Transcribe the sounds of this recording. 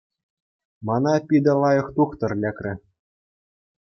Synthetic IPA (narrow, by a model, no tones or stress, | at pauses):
mɑnɑpʲid̪ʲɑ̆lˠɑjɤ̆χt̪uχt̪ɤ̆rlʲækʲrʲɘ̆